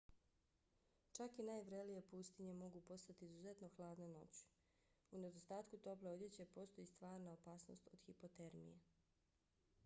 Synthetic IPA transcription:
t͡ʃakinajʋɾelijepuːst̪iɲemo̞ɡupo̞st̪at̪iizuze̞t̪no̞xlˠaːd̪nano̞̰t͡ɕu̥ | une̞d̪ost̪aːt̪kut̪o̞pleod̪jet͡ɕe̞po̞ːst̪ojist̪ʋaːɾnaopaːsno̰st̪o̞d̪̥xipo̞t̪eɾmḭjḛ

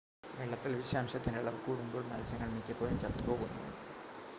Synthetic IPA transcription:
ʋeɭːɐt̪ːilʋiɕjaːmɕɐt̪ːineɭːɐʋkuːɽumd̪oːɭnɐ̰lt͡ɕɐŋːɐɭnikʲːɨpoːjumt͡ɕɐrt̪ːupo̞ːɣunːṵʋḛɖɨ

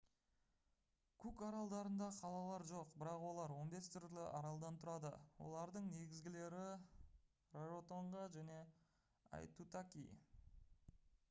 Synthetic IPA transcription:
kʰukɑɾɑlˠd̪ɑɾənd̪ɑqʰɑlˠɑlˠɑɾʒo̞qbɪɾɑqwo̞lˠɑɾwo̞nbe̞st̪ʰʏɾlɪʔɑɾɑlˠd̪ɑnt̪ʰʊɾɑd̪ə̰wo̞̰lˠɑɾd̪əɴne̞ɡʲɪzɡʲɪle̞ɾɪ | roʒot̪oɴʁɑʒæne̞ | ɑ̰jt̪ut̪akʲḭj

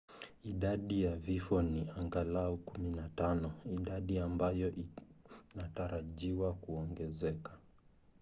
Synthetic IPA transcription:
iɗaɗijavifɔniaŋɡalaukuminatanɔiɗaɗiambajɔʔinataɾaʄiwakuɔŋɡɛzɛkḁ

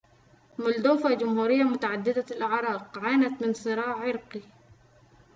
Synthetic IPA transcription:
mʊld̪uːfad͡ʒʊmhuːɾɪjːamʊt̪aʕad̪ːɪd̪aɪlʔaʕɾˤɑːqʕaːnat̪mɪnsˤɨɾɑːʕʕɪɾqi

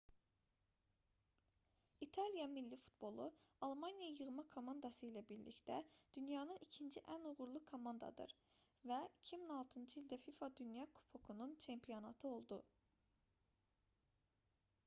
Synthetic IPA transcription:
it̪ʰɑlˠijɑmilːifu̥t̪̚bo̞lˠuɑlˠmɑnjɑjɯʁmɑkʰo̞mɑnd̪ɑsɯilæbiɾlḭct̪æd̪̥ynjɑnɯnicʰind͡ʒiʔænuʁuɾlˠukʰo̞mɑnd̪ɑ̰d̪ɯ̰ɾ | væicʰiminoɑlˠt̪ʰɯnd͡ʒɯilʲd̪æfifɑd̪ynjɑkʰu̥pʰokʰununt͡ʃʰe̞mpʰijo̞nɑt̪ʰɯo̞lˠd̪u

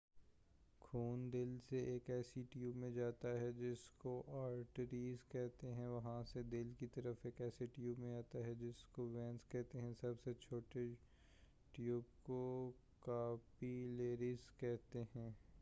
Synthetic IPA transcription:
kʰuːnd̪ɪlseʔeːkɛːsiʈjuːbmẽd͡ʒaːt̪aɦɛd͡ʒɪskoʔaːɾʈɾiːzkɛɦt̪eɦɛ̃ʋɐɦãsed̪ɪlkit̪ɐɾəfeːkɛːseʈjuːbmẽaːt̪aɦɛd͡ʒɪskoʋɛ̃ːnskɛɦt̪eɦɛ̃sɐbset͡ʃʰoːʈe | ʈjuːbko | kaːpileːɾizkɛɦt̪eɦɛ̃ː

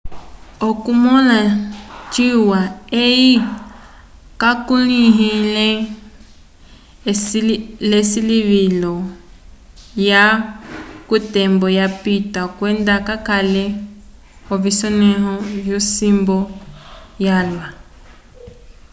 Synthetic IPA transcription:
ɔkumɔlat͡ʃiwaeji | kakuliɦilɛ | lesiliβilɔ | ja | kutɛmbɔjapitakwɛndakakalɛ | ɔvisɔnɛɦɔvjɔsimbɔ | jalwa

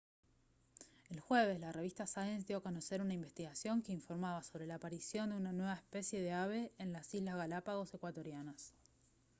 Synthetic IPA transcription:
elxwe̞βe̞szlare̞βist̪asajens̬d̪jo̞konose̞ɾunaimbe̞st̪iɣasjo̞ŋkeiɱfo̞ɾmaβaso̞βɾe̞laːpaɾisjo̞nd̪eunanwe̞βaespe̞sje̞ðe̞aβe̞ːnlasizlazɣalapaɣo̞se̞kwat̪o̞ɾjanas

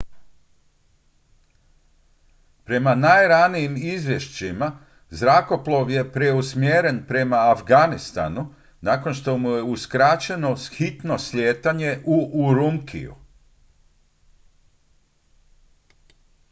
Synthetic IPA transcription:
pɾe̞manajɾanijimizʋje̞ʃt͡ɕima | zɾako̞plˠo̞ʋje̞pɾe̞usmjeːɾe̞npɾe̞maːfɡanist̪a̰nu | naːko̞nʃt̪o̞muje̞uskɾat͡ɕe̞no̞xit̪no̞slʲjeːt̪aɲe̞ʔuʔuɾumkʰḭjṵ

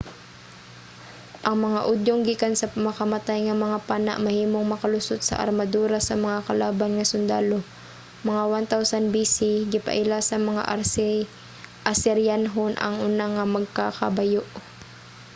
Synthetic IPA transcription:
ʔɐŋmɐŋaʔod̪joŋɡikansɐpmɐkɐmɐt̪ajŋɐmɐŋapaːna̰ʔmɐhiːmo̞ŋmɐkɐlʊsot̪̚sɐ̰ʔɐ̰ɾmɐd̪uːɾɐsɐmɐŋakɐlaːbɐnŋɐsʊnd̪aːlo̞ | mɐŋawant̪awsanbisiɡɪpɐ̰ʔɪlasɐmɐŋa̰ʔɾs | ʔɐsɛɾjanɦonʔɐ̰ŋʔʊnaŋɐmɐɡ̚kakɐ̰bɐjoʔ

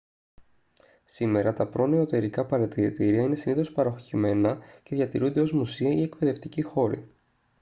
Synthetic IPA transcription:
sime̞ɾɐt̪ɐpɾo̞neot̪e̞ɾikɐpɐɾɐt̪iɾit̪iɾiɐine̞siniθo̞spɐɾɐoxoçime̞nɐce̞ðʝɐt̪iɾund̪e̞o̞zmusiɐie̞kpe̞ðe̞ft̪icixo̞ɾḭ

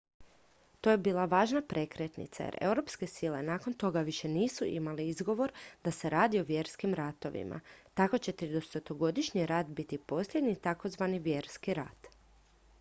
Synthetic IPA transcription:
t̪ojebiːlˠaʋaːʒnapɾʔe̞kɾet̪nḭt̪sa̰jḛɾe̞wɾo̞pske̞sile̞̰naːko̞nt̪o̞ɡaʋiʃe̞niːsuʔḭmaliizɡo̞ʋo̞ɾd̪ase̞ɾaːd̪io̞ʋje̞ːɾskimɾat̪o̞̰ʋḭmʔa̰t̪ako̞t͡ɕe̞t̪ɾied̪ost̪ot̪oɡo̞d̪iʃɲiɾat̪bit̪ipo̞sʎʲjed̪ɲit̪ako̞zʋaniʋje̞ːɾskiɾa̰t̪

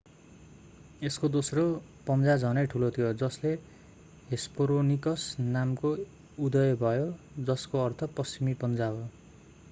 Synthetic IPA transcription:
eskod̪osro | pʌnd͡zad͡zʱʌnʌjʈʰulot̪ʰijod͡zʌsle | ɦespoɾonikʌsnamko | ud̪ʌjʌbʱʌjo | d͡zʌskoʌrt̪ʰʌpʌst͡simipʌnd͡zaɦo

